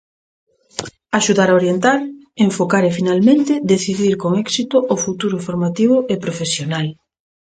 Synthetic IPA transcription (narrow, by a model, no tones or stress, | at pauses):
aʃuðaɾaoɾjent̪aɾ | eɱfokaɾefinalmẽnt̪ɪd̪eθiðiɾkoŋɛksit̪ʊʔːfut̪uɾʊfoɾmat̪iβʊʔepɾofesjonal